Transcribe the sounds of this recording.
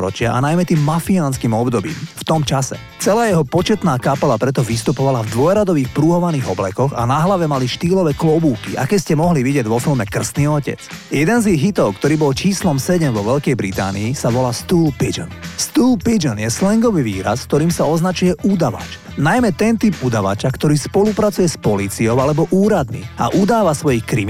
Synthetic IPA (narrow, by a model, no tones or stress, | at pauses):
ɾɔ̰t͡ʃɪa̰ʔa̰najmɛt̪iːmːafiaːnskiːmɔbd̪ɔbḭːmft̪ɔmt͡ʃasɛ̰ | t͡sɛlaːjɛɦɔpɔt͡ʃɛt̪naːkapɛlapɾɛt̪ɔʋist̪upɔʋalavd̪ʋɔjɾad̪ɔʋiːxpɾuɦɔʋaniːɣɔblɛkɔɣa̰naɦlaʋɛmaliʃt̪iːlɔʋɛːklɔbuːkḭʔa̰kɛscɛmɔɦliʋiɟɪɛɟʋɔfilmɛkr̩st̪niːɔcɛ̰t͡sjɛd̪ɛnziɣɦːit̪ɔʊkt̪ɔɾiːbɔlt͡ʃiːslɔmsɛɟɛmʋɔʋɛlkɛjbɾit̪a̰ːniːsaʋɔlaːst̪uːlpid͡ʒnst̪uːlpid͡ʒnjɛslɛŋɡɔʋiʋiːɾa̰skt̪ɔɾiːmsaɔznat͡ʃujɛʔud̪aʋa̰t͡ʃ | najmɛt̪ɛnt̪ipud̪aʋa̰t͡ʃakt̪ɔɾiːspɔlupɾat͡sujɛspɔliːt͡siɔʊalɛbɔʔuːɾad̪mḭa̰ʔud̪aːʋasʋɔjixkɾim